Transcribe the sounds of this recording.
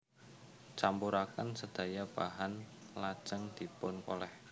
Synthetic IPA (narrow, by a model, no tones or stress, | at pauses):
t͡ʃampuɾakansəd̪̥a̤jab̥aɦanlad̥ʒ̥əŋd̪̥i̤pʊnko̰lɛh